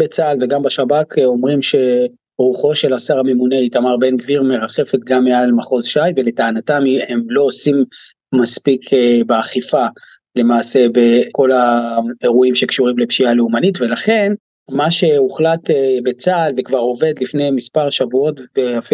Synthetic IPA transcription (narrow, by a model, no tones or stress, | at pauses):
bet͡salveɡambaʃabakʰo̞mʁimʃe̞ | ʁuχo̞ʃe̞lasaʁame̞mune̞it̪amaʁbe̞nɡviʁme̞ʁaχe̞fe̞t̪ɡamːealmaχo̞zʃajve̞le̞taanatamiemlo̞osim | maspikʰbeaχifa | le̞maːse̞beko̞laeʁuimʃe̞kʃuʁimlepʃialeumanitve̞laχe̞n | maʃe̞uχlat̪ebet͡salvekvaʁo̞ve̞d̪lifnejmispaʁʃavuo̞tbeafi